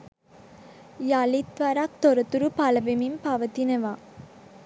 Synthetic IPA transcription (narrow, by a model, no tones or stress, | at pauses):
jalit̪ʋaɾak̚t̪oɾət̪uɾupalɐbemimpaʋət̪inəʋaː